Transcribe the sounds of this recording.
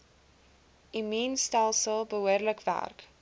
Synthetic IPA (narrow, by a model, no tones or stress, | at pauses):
imiːnstælˠsəlˠbəɦuərləkvæ̰rk